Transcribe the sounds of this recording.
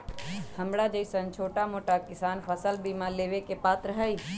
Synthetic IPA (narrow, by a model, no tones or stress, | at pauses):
hɐmɽad͡ʒəisɐ̃nt͡ʃʰoːʈamoːʈakɪsaːnpʰəsəlbiːmaleːʋekepaːt̪ɾəɦai